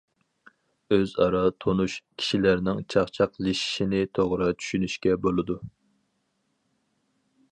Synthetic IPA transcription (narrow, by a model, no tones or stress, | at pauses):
øzɑɾɑt̪ʰonuʃkʲʰi̥ʃilæɾnɪŋt͡ʃʰɑχt͡ʃʰɑqliʃi̥ʃinɪt̪ʰoʁɾɑt͡ʃʰy̥ʃynyʃkʲɛbolˠɨd̪u